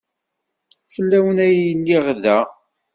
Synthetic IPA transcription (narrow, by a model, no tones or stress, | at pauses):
fəlːæwənæjəlːiʁðæ